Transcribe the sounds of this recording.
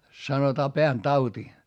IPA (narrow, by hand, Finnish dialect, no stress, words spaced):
sɑnotɑː peæntɑuti